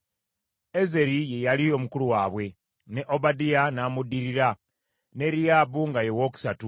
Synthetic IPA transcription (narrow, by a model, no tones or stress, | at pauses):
e̞ze̞ɾije̞jalio̞mukuluwaːβwe̞ | ne̞ʔobadianaːmudiɾiɾa | ne̞ɾijaːbuŋɡajewo̞ku̥satu